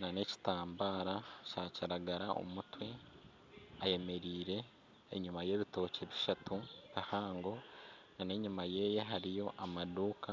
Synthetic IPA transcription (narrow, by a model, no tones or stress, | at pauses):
nane̞ci̥taːmbaːɾacacaɾaɡaɾaʔo̞̰mutwe̞ | aje̞me̞ɾiːɾe̞̰ː | ɲumaje̞ːβito̞ːce̞βiʃatuβihaːŋɡo̞nane̞ɲimaje̞ːje̞ɦaɾijo̞ʔamaduːka